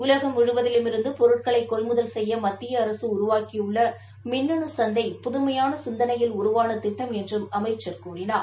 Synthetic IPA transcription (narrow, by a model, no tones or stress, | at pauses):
ʊlɐɣɐmʊɻɯʋɐðɪlɯmɪɾɯnd̪ɯpɔɾɯʈ̚kɐɭɐɪkːɔɭmʊðɐlsɛjːɐmɐt̪ːɪjɐːɾɐsɯʊɾʊʋaːkijɯɭːɐ | mɪnːɐɳɯsɐnd̪ɐɪpʊðʊmɐjaːnɐsɪnd̪ɐnɐjɪlʊɾʊʋaːnɐt̪ɪʈːɐmɛndrɯmɐmɐɪt͡ʃːɐrkuːɾɪnaːɾ